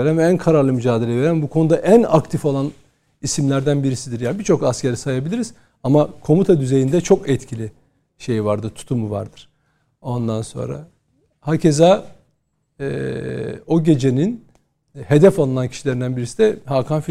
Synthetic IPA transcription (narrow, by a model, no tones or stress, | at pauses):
eɾænvɛænkʰaɾaɾlˠɯmyd͡ʒaːd̪e̞lʲɛve̞ɾænbukʰo̞nud̪aʔænakt̪ʰifolˠan | isimlʲæɾd̪ænbiɾisid̪iɾjaːibit͡ʃʰo̞kascʰeɾisajabilʲiɾiz̥ | amakʰo̞mut̪ʰad̪yze̞jind̪ɛt͡ʃʰo̞kɛt̪cʰilʲi | ʃe̞jvaɾd̪ɯɾt̪ʰu̥t̪ʰumuva̰ɾd̪ɯɾ̥ | o̞nd̪anso̞̰nɾa̰ | hacʰe̞za | ɛ | o̞ɟe̞d͡ʒe̞nin | he̞d̪ɛfalˠɯnancʰi̥ʃilʲe̞ɾind̪ænbiɾisid̪ɛhaːkʰamfi